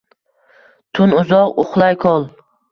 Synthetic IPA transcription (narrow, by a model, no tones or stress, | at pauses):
t̪ʰʊnʊzɒqoχlˠajkʰɒlˠ